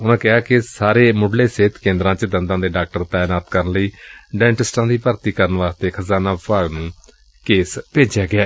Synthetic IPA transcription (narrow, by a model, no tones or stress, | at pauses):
ʊnãːkɪɦaːkɪsaːɾeːmʊɖleːseːt̪kẽːnd̪ɾãːt͡ʃd̪ənd̪ãːd̪eːɖaːk̚ʈəɾt̪aːjnaːt̪kəɾənləiːɖɛ̃ːɳʈɪsʈãːd̪iːpəɾt̪iːkəɾənʋaːst̪eːkʰəzaːnãːpaːɡnũː | keːspeːd͡ʒjaːɡɪaː